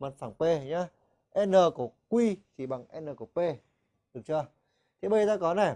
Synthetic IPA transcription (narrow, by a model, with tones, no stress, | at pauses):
maː˨˩faː˧˩ŋpe˧˩ɲa˧ | ʔɛ˧nːəː˨˩ku˧˩əkwi˧t͡ɕʰi˧˩ɓa˨˩ŋʔɛ˧nəː˨˩ku˧˩əpe˧ | ɗɨ˨˩ŋt͡ɕɨ˧˩ə | t̪ʰi˨˩ɓə˧˩˨t̪aː˧kɔ˨˦na˨˩